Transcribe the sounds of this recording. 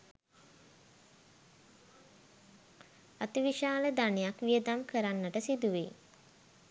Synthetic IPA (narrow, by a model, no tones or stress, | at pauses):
at̪iʋiʃaːləd̪anejakʋiəd̪amkʰəɾanːəʈəsid̪uʋḛ